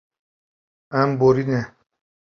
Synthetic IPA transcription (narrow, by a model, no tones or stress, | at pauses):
ãmboɾinɛ̃